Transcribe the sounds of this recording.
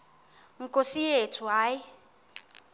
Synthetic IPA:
ŋ̩kʼosijetʰuɦaːji

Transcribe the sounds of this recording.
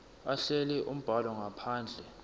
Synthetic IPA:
aɬɛlɛʔum̩b̥ʱalɔŋapʰaːnd͡ɮʱɛ

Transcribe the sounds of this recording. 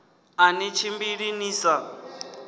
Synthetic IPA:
anit͡ʃʰimbiɺiniːsa

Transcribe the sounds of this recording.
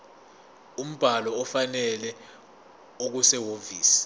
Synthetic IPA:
um̩b̥ʱalɔːfanɛlɛ | ok̬usɛwoviːsi̥

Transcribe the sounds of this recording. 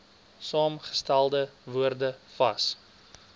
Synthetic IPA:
sɑːmχə̥stælˠdəvuərdəfɐs

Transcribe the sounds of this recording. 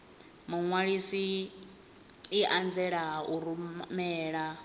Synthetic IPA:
muŋwaɺisi | ʔand͡zɛɺaɦaʔuɾumɛːɺa

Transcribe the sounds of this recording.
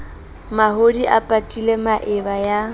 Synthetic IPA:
maɦodiʔapʼatʼilemaʔɪbaja

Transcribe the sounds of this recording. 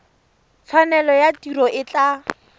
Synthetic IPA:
t͡sʰanɛlɔjatirɔʔɪt͡ɬa

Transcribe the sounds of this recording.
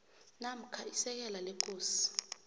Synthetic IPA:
nam̩kʰaisɛk̬ɛlalekʰʼoːsi̥

